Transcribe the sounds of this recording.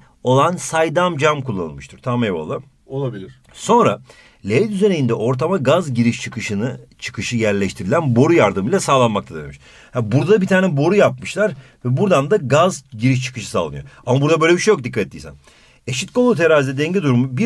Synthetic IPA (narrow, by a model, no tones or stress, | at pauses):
o̞lˠansajd̪amd͡ʒamkʰulˠːa̰nɯ̰lˠmɯʃt̪ʰɯɾ̥t̪ʰamevo̰lˠːɯ | olˠabilʲiɾ | so̞nɾa̰ | lʲeet̪yzenejind̪ɛʔo̞ɾt̪ʰamaɡazɟiɾiʃt͡ʃʰɯkɯʃɯnɯt͡ʃʰɯ̥kɯʃɯjæɾlʲɛʃt̪ʰiɾilʲænbo̞ɾujaɾd̪ɯmilʲˠasaːlˠanmak̚t̪ʰad̪eemi̥ʃ | habuɾd̪ad̪abit̪ʰaːnɛbo̞ɾujapmɯʃlˠaɾvɛbuɾd̪and̪aɡazɟiɾiʃ̬t͡ʃʰɯ̥kɯʃɯ̥sa̰ːlˠɯnɯjo̰amabuɾd̪abøjlʲebiʃejokd̪ikʰːat̪et̪ːijsæ̰n | eʃit̪̚ko̞lˠut̪ʰeɾaːzid̪ɛd̪ɛɲɟiɛd̪uɾumubi